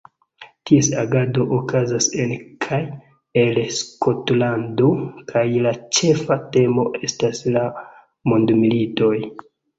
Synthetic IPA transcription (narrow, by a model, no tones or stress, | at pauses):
tiesaɡado̞ʔokazase̞nkʰaj | elsko̞tlandokʰajlat͡ʃe̞fate̞mo̞ʔe̞stasla | mondmilito̞j